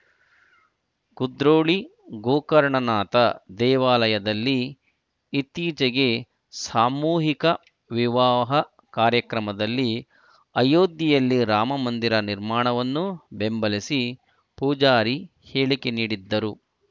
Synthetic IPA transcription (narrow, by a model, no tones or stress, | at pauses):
kud̪ɾoːɭi | ɡoːkɐɾɳɐnaːt̪ɐd̪ɛːʋaːlɐjɐd̪ɐlːiː | t̪ːiːt͡ʃɛɡe̞ | saːmuːɦikɐ | ʋiʋaːɦɐ | kaːɾjɐkɾɐmɐd̪ɐlːi | ɐjoːd̪jɐjɐlːiɾaːmɐmɐnd̪iɾɐniɾmaːɳɐʋɐnːube̞mbɐlisi | puːd͡ʒaːɾi | heːɭike̞niːɽid̪ːɐɾu